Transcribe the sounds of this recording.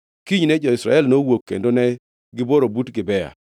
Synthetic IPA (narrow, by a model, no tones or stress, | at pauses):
kiɲnɛd͡ʒɔɪsɾa̰ɛlnowokːḛndonɛ | ɡɪboɾobutɡɪbɛja̰